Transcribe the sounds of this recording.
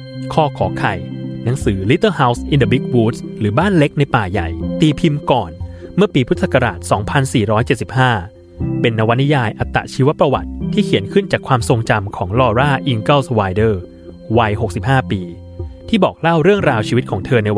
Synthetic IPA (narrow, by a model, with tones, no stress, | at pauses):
kʰɔː˥˩kʰɔː˩˦kʰa˨˩jna˩˦ŋsɯː˩˦li˦˥t̪ːɤː˥˩ha˦˥wsʔi˧nda˧bi˦˥k̚wuː˦˥t̪̚sɾɯː˩˦baː˥˩nle˦˥k̚na˧jpaː˨˩jjːa̰˨˩jt̪iː˧pʰi˧mkɔː˨˩nmɯ˥˩piː˧pʰu˦˥t̪ʰsa˨˩ka˧ɾa̰ː˨˩t̪̚sɔː˩˦ŋpʰa˧nsiː˨˩ɾɔː˦˥jt͡ɕe˨˩t̪̚si˨˩p̚haː˥˩ | pe˧nːa˧wa˦˥ni˦˥jaː˧jʔa˨˩t̪ːa̰˨˩ʔt͡ɕʰiː˦˥wa˦˥pɾa˧wa̰˨˩t̪̚ʰːiː˥˩kʰi˩˦ənkʰɯ˥˩nt͡ɕaː˨˩kʰwaː˧mso˧ŋt͡ɕa˧mkʰɔː˩˦ŋlɔː˧ɾaː˥˩ʔi˧ŋkə˥˩wswaː˧jdɤː˥˩ | wa˧jho˨˩k̚si˨˩p̚haː˥˩piː˧ | t̪ʰiː˥˩bɔː˨˩k̚la˥˩wɾɯ˥˩əŋɾaː˧wt͡ɕʰiː˧wi˦t̪̚kʰɔː˩˦ŋt̪ʰɤː˧na˧j